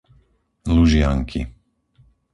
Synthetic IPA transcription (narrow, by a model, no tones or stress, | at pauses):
luʒɪaŋkʰḭ